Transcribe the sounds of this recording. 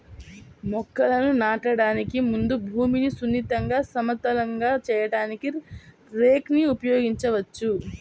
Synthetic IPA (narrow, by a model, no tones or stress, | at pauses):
mɔkːɐlɐnunaːʈɐɽaːnikimund̪ubʱuːminisunːit̪ɐŋɡaːsɐmɐt̪ːɐlɐŋɡaːt͡ʃɛːjɐɽaːniki | ɾeːkniupɐjo̞ːɡiɲt͡ʃɐʋɐt͡ʃːu